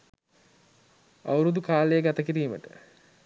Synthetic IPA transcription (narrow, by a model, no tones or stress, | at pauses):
a̰wɾud̪ukaːlejəɡat̪əkiɾiːmə̰ʈə̰